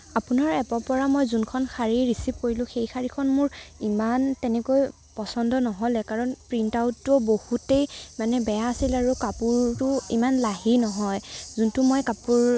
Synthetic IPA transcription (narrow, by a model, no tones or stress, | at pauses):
apunaɹɛpɔpɔɹamɔjzunkʰɔnxʰaɹiɹisip̚koɹilʊ̃xejkʰaɹikʰɔnmʊɹimantɛnɛkoj | pɔsɔndɔnɔɦɔlɛkaɹɔnpɹintawtːɔbohutejmanɛbɛjaːsilaɹukapuɹtʊimanlaɦinɔɦɔjzuntʊmɔjkapuɹ